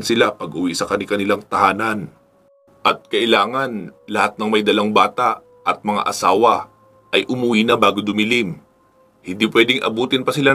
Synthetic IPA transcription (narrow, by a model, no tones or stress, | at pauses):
nsɪlapɐɡʔʊwisɐkɐnɪkɐnɪlaŋt̪ɐhaːnɐn | ʔɐt̪̚kɐʔɪlaːŋɐnlɐhat̪̚nɐŋmɐjd̪ɐlaŋbaːt̪aʔ | ʔɐt̪̚mɐŋa̰ʔɐsaːwɐ | ʔɐjʔʊmʊwinɐbaːɡod̪ʊmɪlim | hɪnd̪iːpwɛːd̪ɪŋʔɐ̰buːt̪ɪnpɐsɪla